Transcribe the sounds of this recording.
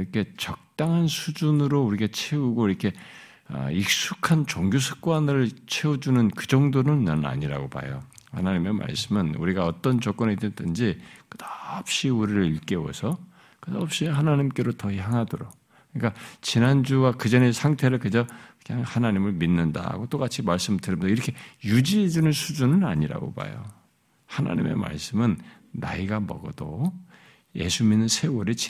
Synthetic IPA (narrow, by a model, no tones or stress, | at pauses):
iɾʌkʰe̞t͡ɕʌk̚t͈aŋɦansʰud͡ʑunɯɾouɾiɡat͡ɕʰe̞uɡoiɾʌkʰe̞ | ʌ̰ik̚s͈ukʰant͡ɕoŋɡjosʰɯ̥k̚k͈wanɯɭt͡ɕʰe̞ud͡ʑunɯnkɯd͡ʑʌŋdonɯnːa̰na̰ɲiɾa̰ɡopa̰jo | hanaɲime̞ma̰ɭs͈ɯmɯnṵɾiɡaʌt͈ʌnt͡ɕʌk͈ʌnedɯɭtʰɯnd͡ʑikɯdap̚ɕ͈iuɾiɾɯɭiɭk͈e̞wʌ̰sʰʌ | kɯdʌp̚ɕ͈iɦanaɲimk͈e̞ɾotʌçjaŋɦadoɾok | ɯɲik͈at͡ɕinand͡ʑuwakɯd͡ʑʌne̞sʰaŋtʰe̞ɾɯɭkɯd͡ʑʌɯɲaŋhanaɲimɯɭminːɯnda̰ɡot͈ok͈at͡ɕʰimaɭs͈ɯmɭtɯɾʌmtoiɾʌkʰe̞jud͡ʑiɦed͡ʑunɯnsʰud͡ʑunɯna̰ɲiɾa̰ɡo̰ba̰jo̰ | hana̰ɲḭme̞̰ma̰ɭs͈ɯmɯnː | a̰iɡamʌ̰ɡʌdo | je̞̰sʰuminːɯnsʰe̞wʌɾit͡ɕ